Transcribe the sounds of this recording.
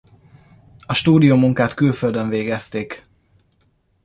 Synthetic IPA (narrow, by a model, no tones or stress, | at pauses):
ɒʃt̪uːd̪ijomuŋkaːt̪kylføld̪øɱveːɡɛst̪eːk